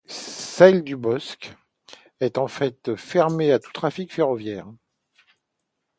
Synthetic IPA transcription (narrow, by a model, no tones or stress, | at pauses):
sɛld̪ybɔsk | ɛt̪ɑ̃fɛt̪fɛʁmeat̪u̥t̪χafikfeʁɔvjɛːʁ